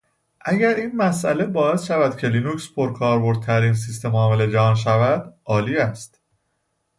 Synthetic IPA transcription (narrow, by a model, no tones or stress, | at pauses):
ʔæɟæɾiːnmæsʔæle̞bɒːesʃævæd̪̥cʰe̞linucspʰoɾkʰɒːɾbo̞ɾd̪̚t̪ʰæɾiːns̬ist̪e̞mɒːmeled͡ʒɒnʃ̬ævæd̪ʔɒːliːæst̪